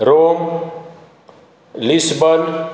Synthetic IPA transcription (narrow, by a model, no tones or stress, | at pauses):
ɾom | lisbʌn